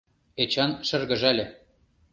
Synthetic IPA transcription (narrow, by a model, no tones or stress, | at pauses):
et͡ɕɑnʃɘ̆rɣɤ̆ʒælʲĕ